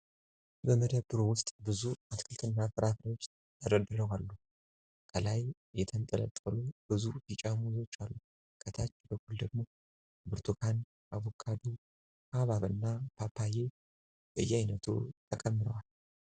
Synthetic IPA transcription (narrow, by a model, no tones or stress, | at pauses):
bəməd̪əbːɨɾowʊst̪ʼbɨzuʔat̪kʰɨlt̪ʰɨnːafɨɾʔafɨɾawot͡ʃː | t̪ʰəd̪əd̪ɨɾəwalːu | kʰəlaj | jɛt̪ʰənt̪ʼələ̰t̪ʼːəlub̥ɨzujit͡ʃʼamuzo̞t͡ʃːalːu | kʰət̪ʰat͡ʃːbəkʰʼuld̪əɡmo̞ | bɨɾt̪ʰukʰan | ʔaβokʰad̪u | kʰaβaβɨnːapʰapʰːaje̞ | bəɨjːɛajnət̪ʰṵt̪ʼəkʼəmːɨɾəwal